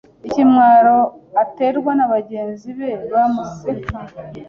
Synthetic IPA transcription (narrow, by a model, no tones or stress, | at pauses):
icimŋaːɾo̞ate̞ɾɡwanaβaɟe̞ːnziβe̞βamazua